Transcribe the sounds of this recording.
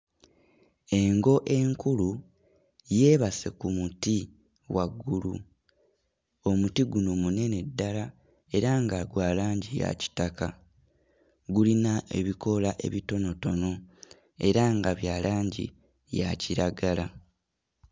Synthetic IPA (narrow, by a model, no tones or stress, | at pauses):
e̞ŋɡo̞ʔe̞ŋkulu | je̞ːβase̞kumuti | waɡːulu | o̞mutiɡuno̞mune̞ne̞dːala | e̞ɾaŋɡaɡwaːlaːɲɟija̰ci̥taka | ɡulinae̞̰βiko̞laʔe̞̰βito̞no̞to̞no̞ | e̞ɾaŋɡaβjaːlaːɲɟḭ | ja̰ciɾaɡala